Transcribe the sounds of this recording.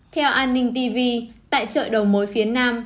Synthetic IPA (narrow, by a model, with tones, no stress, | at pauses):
t̪ʰɛ˧wʔaː˧nːï˧ŋ̟t̪i˧vi˧t̪a̰ː˧˨jt͡ɕə̰ː˧˨jɗə˨˩wmo˨˦jfi˨˦ənaː˧m